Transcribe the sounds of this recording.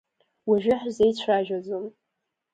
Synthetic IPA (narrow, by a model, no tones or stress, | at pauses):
waʒᶣɪħzejt͡ɕʷʰraʒᶣad͡zom